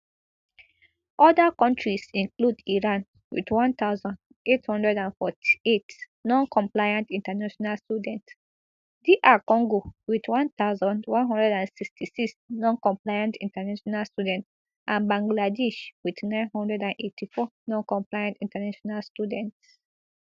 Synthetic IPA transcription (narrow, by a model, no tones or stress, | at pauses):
ʔɔdakɔ̃ntʰɹisĩnkludiɹãn | wḭdwɔ̃nt̪aʊzɔ̃nd | ethɔ̃ndɹɛdãnfɔtʰi̥et | nɔ̃nkɔ̃mplajãntĩntanaʃɔnalstudɛ̃nt | diʔakɔ̃ŋɡowidwɔ̃nt̪aʊzɔ̃ndwɔ̃nɦɔ̃ndɹɛdãnsikstisiksnɔ̃nkɔ̃mplajãntĩntanaʃɔnalstjudɛ̃nt | ʔãnbãŋɡladɛʃwidnãɪ̃nhɔ̃ndɹɛdãnʔetʰifɔnɔ̃nkɔ̃mplajãntĩntanaʃɔnalstudɛ̃nts